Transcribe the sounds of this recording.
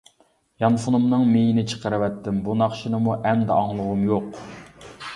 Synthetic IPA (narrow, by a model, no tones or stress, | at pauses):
jɑnfunumnɨŋmejinɪt͡ʃʰə̥qəɾɨvɛt̪ʰːɪmbunɑχʃinɨmuʔɛmd̪ɛɑŋlˠʊʁʊmjoq